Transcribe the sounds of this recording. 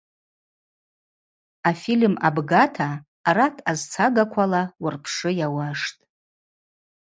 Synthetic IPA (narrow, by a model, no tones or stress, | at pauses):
afilma̰bɡatʰaː | ratʰazt͡sʰaɡakʷʰalawʊrpʰʂɨjawaʂtʼ